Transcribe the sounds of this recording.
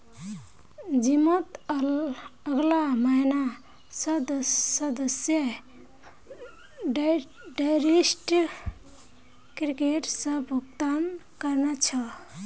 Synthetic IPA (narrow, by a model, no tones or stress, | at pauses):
d͡ʒimət̪ | əɡlamaɪna | səd̪səd̪əsjə | ɖajɾisʈ | kɾikeʈsəbʱukt̪ankəɾnat͡ʃʰə